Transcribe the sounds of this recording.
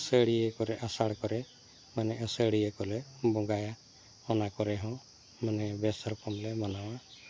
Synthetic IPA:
səɽijekɔɾɛʔasaɽkɔɾɛ | manɛəsəɽijekɔlɛbɔ̃ɡaja | ɔnakɔɾɛɦɔ̃ | manɛbɛsɔɾkɔmlɛmanaw̃a

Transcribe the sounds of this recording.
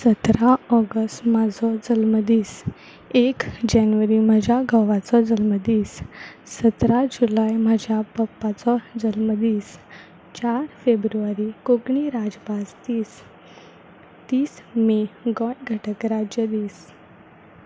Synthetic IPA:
sət̪ɾaɔɡəsʈmad͡zʱɔd͡zəlməd̪iːs | ekd͡ʑanʋəɾimad͡ʑʱjaɡʱəʋat͡sɔd͡zəlməd̪iːsːət̪ɾad͡ʑulajmad͡ʑʱjapəpːat͡sɔd͡zəlməd̪iːs | t͡ɕaɾfebɾuʋaɾikoɡɳiɾad͡zpast̪iːs | t̪iːsmeɡɔʈɡʱəʈʰəkɾad͡ʑjəd̪iːs

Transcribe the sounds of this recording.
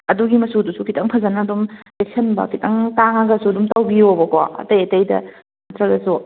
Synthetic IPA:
ɐduɡimɐsudusukʰitʰɐŋpʰɐzɐnɐdumek̚sʰɐnbɐ̰kʰitʰɐŋtaŋɐɡɐsuɐdumtawbiobɐkoɐ̰tɐjɐtɐjdɐ̰ | nɐtɾɐɡɐsu

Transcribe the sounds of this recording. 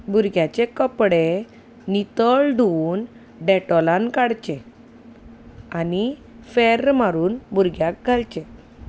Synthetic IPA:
bʱuɾɡjat͡ɕekəpɽe | nit̪əɭɖʱun | ɖɛʈɔlãnkaɽt͡ɕẽ | ani | fɛɾmaɾuːnbʱuɾɡjak̚ɡʱalt͡ɕẽ

